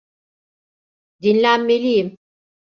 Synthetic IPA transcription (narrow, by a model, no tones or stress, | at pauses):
d̪inlʲænme̞lʲijim